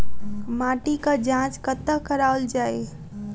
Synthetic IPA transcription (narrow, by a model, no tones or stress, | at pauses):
mãːʈikad͡ʒãːt͡ʃkət̪əkəɾaːəld͡ʒaːe